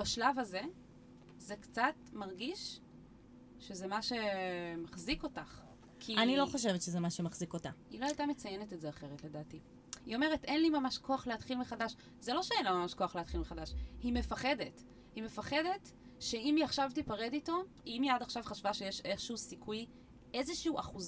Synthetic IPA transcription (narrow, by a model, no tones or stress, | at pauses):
baʃlavaze̞ | zekt͡satmaʁɡiʃ | ʃe̞zemaʃe̞maχziko̞taχ | kʰianilo̞χoʃ̬evetʃezemaʃemaχzikotailoajtamet͡sajenetetzeaχe̞ʁetle̞daːti | io̞me̞ʁ̞etenlimamaʃkʰo̞aχleatχilmeχadaʃ | zelo̞ʃeenlamamaʃko̞aχleat̪χilmeχadaʃhime̞faχe̞det | hime̞faχe̞de̞t | ʃe̞imiaχʃavtipaʁedito̞ | imjadaχʃavχaʃvaʃejeʃeχʃuusikʰuj | ʔe̞zeʃiuʔaχuz